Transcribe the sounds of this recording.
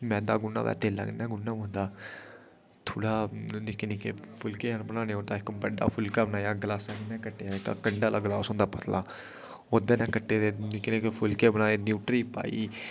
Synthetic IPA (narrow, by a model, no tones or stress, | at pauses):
mɛ̃ːd̪aːɡʊnːa̰ːʋɛ̰ːt̪eːla̰ːŋɡnɛ̃ːɡʊnːãːmõːnd̪aː | t̪ʰoːɽaːnɪkniːkepʰʊlkeːənbənãːnẽːoːd̪aːɪkbəɖa̰ːpʰʊlkaːbənaːjaːɡlaːsãːɡnɛ̃ːkəʈːeːaɪka̰ːkəɳɖaːlaːɡəlaːsõːnd̪aːpət̪laː | oːd̪eːnɛ̃ːkəʈːeːd̪eːnɪkneːkepʰʊlkeːbənaːeːnjuːʈɾiːpa̰ːḭː